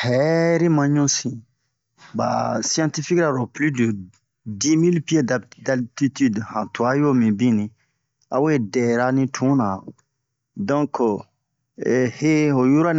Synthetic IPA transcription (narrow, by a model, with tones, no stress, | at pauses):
hɛ˨ɾi˦mã˨ɲũ˦sĩ˨ | ba̰˨si˦ã˦t̪i˦fi˦kɾa˨ɾɔ˨ply˦də˨ | di˦mi˦lpi˦e˦dada˨lt̪i˦t̪i˦dhã˨tu˨a˦jo˦mĩ˨bĩ˦nĩ˨ | a̰˦we˦dɛ˨ɾa˦nĩ˦tʰũ˨˦nã˨ | dɔ̃˦k | he˦o˨ju˦ɾa˦n